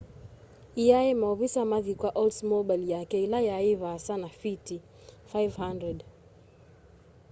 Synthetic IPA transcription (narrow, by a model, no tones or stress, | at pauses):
iaɛmaɔvisamaðikwaʔɔlsmɔbajljakɛilajaːivaːsanafiti | fajvhandɾɛd